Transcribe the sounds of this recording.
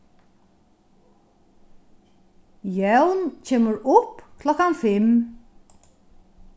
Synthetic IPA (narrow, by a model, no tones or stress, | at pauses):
jɛwnt͡ɕʰeːməɾʊpkʰlɔkanfɪm